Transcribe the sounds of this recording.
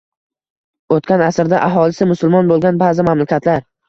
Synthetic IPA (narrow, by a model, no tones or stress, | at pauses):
ot̪kʲanasɾd̪aʔaɦɒlɪsɪmʊsʊlˠmɒnbolˠɡʲanbaːzɪmamlakʲat̪laɾ